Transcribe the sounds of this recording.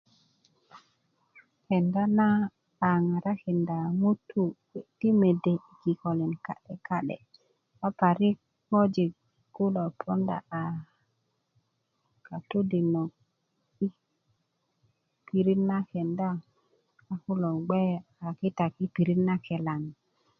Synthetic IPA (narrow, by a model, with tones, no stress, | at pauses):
ke˨nda˦naː˦˨ | ŋa˨ɾa˦ke˨nda˨mu˦tːu˦ | ti˦me˨de˨i˨ki˨ko˨li˨nka˦ɗe˨ka˦ɗḛ˨ | wa˦pa˨ɾi˦ | mo˦d͡ʒi˨k | ɡu˦lo˨pʰo˦nda̰˨a˨ | ka˨t̪u˦di˨no˨k | i˦ | pi˨ɾi˦nːa˦ke˨ndaː˦˨ | ku˦lo˨ɡ͡be˦ | a˨ki˦ta˨ki˦pi˨ɾi˦na˦kʰe˨la˨n˨